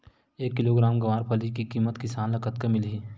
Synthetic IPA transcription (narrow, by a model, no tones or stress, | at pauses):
eːkːɪloːɡɾaːmɡɐʋaːɾpʰəlikikiːmət̪kɪsaːnlɐkʰət̪kemɪlɦiː